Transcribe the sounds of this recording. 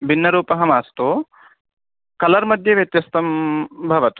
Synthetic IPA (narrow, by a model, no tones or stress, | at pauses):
bʱinːɐɾuːpɐɦɐmaːst̪oː | kɐlɐɾmɐd̪ʱjɐʋjɐt̪jɐst̪ɐmbʱɐʋɐt̪u̥